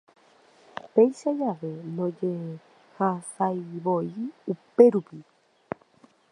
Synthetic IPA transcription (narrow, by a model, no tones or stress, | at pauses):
pejʃad͡ʒaʋe̞nõd͡ʒe̞ | hasajʋo̞iupe̞ɾupi